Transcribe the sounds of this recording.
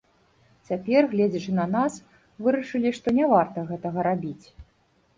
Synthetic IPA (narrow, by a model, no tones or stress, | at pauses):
t͡sʲapʲɛrɣlʲɛd͡zʲɐt͡ʂɨnɐnas | vɨɾɐʂɨlʲiʂt̪ɔnʲavart̪ɐɣɛt̪ɐɣɐɾabʲit͡sʲ